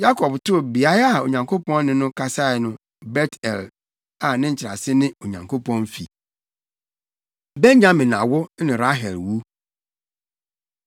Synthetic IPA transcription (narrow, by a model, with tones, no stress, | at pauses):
ja˦kʰɔ˨btʊ˦bi˨a˦a˨o˨ɲã˨ŋkʰo˦pɔ̃˦nːɪ̃˦nʊ̃˦kʰa˦sa˦˨nʊ̃˦ | bɛ˦tʰɛ̰˨l | a˨nɪ̃˦ɲ̩˨t͡ɕʰɪ˨ɾa̰˨sɪ˦nɪ̃˦o˨ɲã˨ŋkʰo˦pɔ̃˦nfḭ˨ | bɛ˦ɲ˦ɲã˦mɪ̃˨nã̰˨wʊ˦nɪ̃˨ɾa˦ɦɛ˨lwu˦